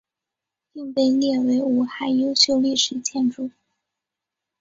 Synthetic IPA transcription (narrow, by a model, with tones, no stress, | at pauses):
pi˥˧ŋpe˥˧ɪljɛ˥˩we˧˥ɪu˨˩xa˥˩ɪjo˥ʊɕjo˥˧ʊli˥˩ʂɻ̩˨˩t͡ɕʰjɛ˥˩nʈ͡ʂu˥˩˦